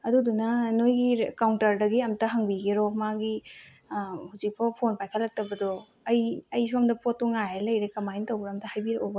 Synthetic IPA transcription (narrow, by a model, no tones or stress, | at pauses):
ɐdudunɐnojɡikawntɐɾdɐɡiɐmtɐɦaŋbiɡeɾɔmaɡi | huzik̚pʰɐpʰonpajkʰɐlːɐk̚tɐbɐdɔ | ɐjɐjs̬uɐmdɐpotːuŋajelɐjɾekɐmajntɐwbɾɐmtɐhajbiɾobɐ